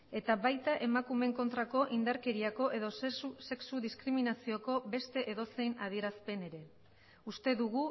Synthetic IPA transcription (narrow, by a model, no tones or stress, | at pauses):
e̞t̪aβajt̪aʔe̞makume̞ŋko̞nt̪ɾako̞ʔind̪aɾke̞ɾiako̞ʔe̞ðo̞use̞ksuðiskɾiminasio̞ko̞be̞st̪e̞ʔeðo̞se̞jnað̞ie̞ɾaspe̞ne̞ɾe̞ | ust̪e̞ðuɣu